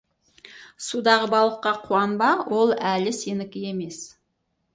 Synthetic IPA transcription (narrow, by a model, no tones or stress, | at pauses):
sud̪ɑʁəbɑlˠəqːɑqʰuɑnbɑwo̞lˠælɪse̞nɪkʲɪje̞me̞s